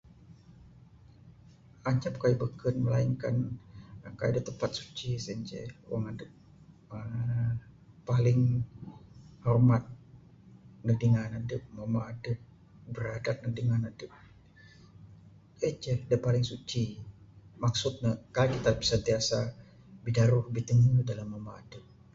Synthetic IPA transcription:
aɲap̚kajubəkənməlaiŋkan | kajudit̪əpat̪̚su̥t͡ʃisənt͡ʃɛ̰waŋadəp̚ | ə | pːalɪŋ | hɔrmat̪̚ | nədiŋanadəp̚mamaːdəp̚ | bəɾadat̪̚nəɡ̚dəŋanadəp̚ | ət͡ʃɛhdiəpalɪŋsut͡ʃi | maksʊt̪̚nakajkit̪abəsənt̪iasa | bidaɾʊhbit̪əŋudalamːamaːdəp̚

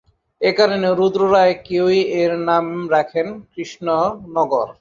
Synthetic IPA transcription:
ekaɾoneɾud̪ɾoɾaekewjeɾnamɾɛkʰenkɾiʃnonɔɡoɾ

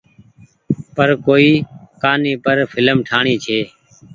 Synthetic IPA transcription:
pəɾkoːiːkaːniːpəɾfʰɪləmʈʰaːɳiːt͡ʃʰeː

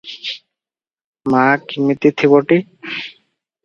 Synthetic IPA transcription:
makimit̪it̪ʰiboʈi

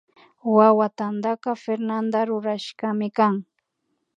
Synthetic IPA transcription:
wawat̪and̪akɑfeɾnand̪aɾʊɾaʃkamɪkaŋ

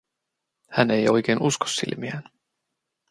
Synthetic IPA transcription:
hæne̞jo̞jk̟e̞ːnusko̥sːḭlmiæn

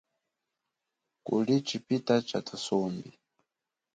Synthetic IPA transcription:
kṵlit͡ʃipitat͡ʃatʰasɔmbi

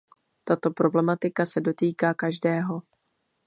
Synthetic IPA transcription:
t̪at̪o̞pɾo̞blɛmat̪ɪkasɛdo̞t̪iːkaːkaʒdɛːɦo̞

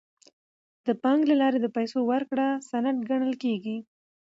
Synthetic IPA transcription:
d̪̥əpɑŋɡlalɑɾed̪əpajsowəɾkɽasanaʈ̚ɡaɳəlkeɡi

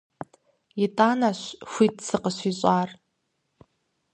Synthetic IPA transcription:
itʼaːnaɕʷxʷit̚ʼsʰɨqʼəʃʷiɕʼaːr

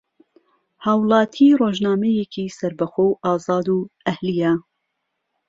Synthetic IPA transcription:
haːwlˠɑːt̪ʰiroːʒnaːmɛjekʰisɐɾbɐxoːwʔɑːzɑːd̪uːʔɐhlijɐ

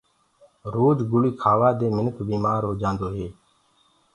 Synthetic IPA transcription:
ɾoːd͡ʒɡʊɭiːkʰaːʋaːd̪eːmɪnəkʰbiːmaːɾɦoːd͡ʒãːnd̪oːɦeː

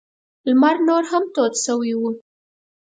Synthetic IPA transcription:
lmaɾnoɾɦamt̪ot̪ʃəwiwu

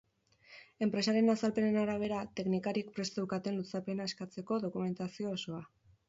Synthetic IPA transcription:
e̞mpɾe̞saɾe̞nasalpe̞ne̞naɾaβ̞e̞ɾat̪e̞knikaɾiek̚pɾe̞st̪ewkat̪e̞nlut͡sape̞naeskat͡se̞ko̞ðo̞kume̞nt̪asio̞ːso̞a

